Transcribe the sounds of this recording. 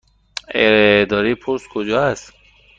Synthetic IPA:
ḛɾd̪ɒːɾipʰoɾskʰod͡ʒɒːæst̪

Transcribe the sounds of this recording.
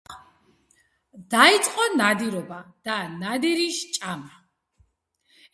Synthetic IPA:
d̪̥ait̪sʼqʼɔnad̪iɾɔbad̪̥anad̪iɾiʃt͡ʃʼama

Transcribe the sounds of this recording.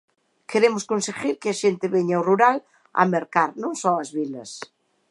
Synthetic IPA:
keɾemʊskõnseɣiɾkɪɐʃent̪ɪβeɲaoruɾal | ɐ̰meɾkaɾnõŋsɔɐzβilɐs

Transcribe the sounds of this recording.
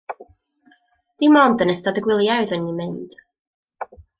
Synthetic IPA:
d̥imɔndənɛstadəɡwɪlˠjawðənːimɪnd̥

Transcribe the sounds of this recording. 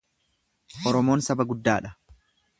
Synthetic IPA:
ʔɔɾɔmo̞ːnsɐbɐɡʊd̪ːaːᶑɐ

